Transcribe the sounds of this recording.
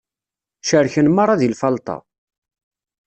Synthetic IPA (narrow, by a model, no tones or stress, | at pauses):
ʃəɾçənmɑɾˤɑðilfɑlt̪ˤɑ̰